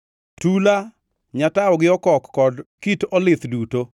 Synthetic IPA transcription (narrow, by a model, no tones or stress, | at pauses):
tula | ɲataɔɡɪɔkɔkːɔdkitɔlɪt̪duto